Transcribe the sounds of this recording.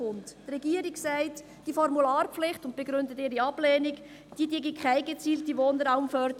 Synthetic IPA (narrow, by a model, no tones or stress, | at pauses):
ʊnttrɛɡ̥iːəɾɪksæɪt | d̥ifɔɾmulaːrpflɪχtʊnt̚b̥eɡɾʏndətɪːɾiɑb̥lɛːnɪk | d̥iːdiːɡikʰχaɪɡet͡siːltiʋoːndəɾaʊmfœɾd